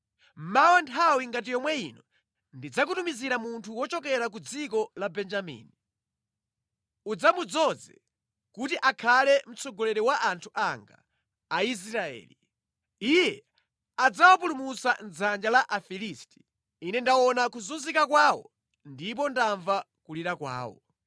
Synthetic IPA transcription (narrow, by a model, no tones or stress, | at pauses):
mawantʰawiŋɡat̬ijɔmwɛinɔ | ndid͡zak̬utumiziɾamuntʰuwɔt͡ʃɔkɛɾak̬ud͡zikɔlabɛnd͡ʒamḭːni | ud͡zamud͡zɔd͡zɛ̰ | kutiʔakʰalɛm̩t͡sɔɡɔlɛɾɛwaʔantʰuʔaŋɡa̰ː | is̬ɾaɛ̰ːli | ijɛ | ad͡zawap̬ulumusand͡zand͡ʒalaʔafilisti̥ | inɛndawɔnakuzunzikakwaːwɔ̰ | ndip̬ɔndaɱva | kuliɾakwa̰ːwɔ̰